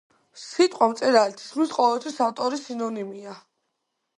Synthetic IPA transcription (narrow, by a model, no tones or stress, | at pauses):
sit̪ʼqʼwamt̪sʼɛɾalɛt̪ʰi̥smisqʼɔvɛlˠt̪ʰwisaft̪ʼɔɾisinɔnimia